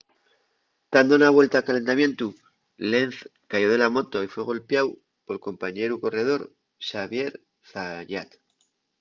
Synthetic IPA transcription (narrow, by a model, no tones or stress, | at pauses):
d̪̥and̪onaβwe̞lt̪akale̞nt̪amje̞nt̪u | lenθ | kajo̞ð̞e̞lamo̞t̪oifwe̞ɣ̞o̞lpjaw | po̞lko̞mpaɲe̞ɾuko̞re̞ð̞o̞ɾ | ʃaβje̞ɾ | θaʎat̪